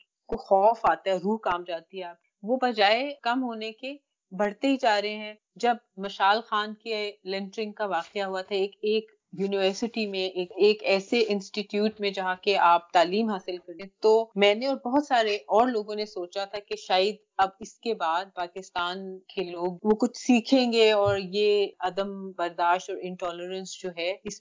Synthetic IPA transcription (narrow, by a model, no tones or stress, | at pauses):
koxɔːfaːt̪aɦɛɔɾːuːɦkaːmd͡ʒaːt̪iɦɛaːp̚kiʋobɐd͡ʒaːekɐmɦoːneke | bɐɽ̤t̪eɦid͡ʒaːɾɐɦeɦɛ̃ | d͡ʒɐb̚mɐʃaːlxaːnkelɛ̃ɳʈɾɪ̃ŋɡkaʋaːqeaɦuat̪ʰaeːkeːk | juːnɪʋəɾsɪʈimẽʔeːkeːkɛːseʔɪ̃nsʈiʈjuːʈmẽd͡ʒɐɦãkeʔaːp̚t̪aːliːmɦaːsɪlkɐɾẽt̪omɛ̃ːneɔːɾbɔɦʊt̪saːɾeʔɔːɾloːɡõnesoːt͡ʃat̪ʰakeʃaːəd̪̚ | ɐbɪskebaːd̪̚paːkɪst̪aːnkʰeloːɡ̚ʋokʊt͡ʃʰsiːkʰẽːŋɡeɔːɾjeɐd̪əmbɐɾd̪aːʃʈɔːɾɪ̃ɳʈɔːləɾə̃nsd͡ʒoːɦɛɪs